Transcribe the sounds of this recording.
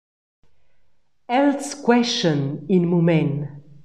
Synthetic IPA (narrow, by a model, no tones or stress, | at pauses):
ɛlskwɛʃə̃ninmumɛ̃n